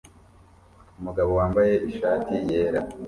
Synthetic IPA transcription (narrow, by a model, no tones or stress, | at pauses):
umuɡaβo̞waːmbaje̞ʔiʃaːtije̞ːɾa